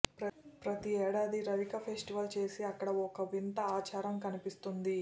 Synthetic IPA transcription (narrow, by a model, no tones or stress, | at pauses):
pɾɐpɾɐt̪iɛːɽaːd̪iɾɐʋikɐpʰe̞ːsʈiʋɐlt͡ʃe̞ːsiɐkːɐɽɐɔkɐʋint̪ɐaːt͡ʃaːɾɐmkɐnipist̪und̪i